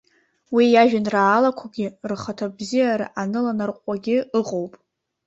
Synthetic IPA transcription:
wijaʒᶣanraːlakʷʰaɡʲɪrχatʰabzijaɾa̰ʔanɨlanarqʷʼaɡʲɪɨqʼowpʼ

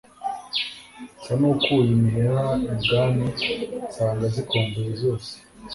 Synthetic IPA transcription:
sanokujimiɦeɾaibɡaːnisaːŋɡazikʰoːmbuɾizoːse̥

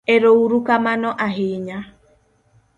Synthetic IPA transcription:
eɾouɾukamanɔʔaɦeɲa

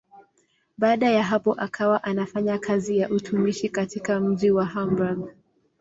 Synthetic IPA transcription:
ɓaːɗajaɦapɔʔakʰawaʔanafaɲakʰazijaʔutʰumiʃikatikam̩ʄiwaɦambaɡ

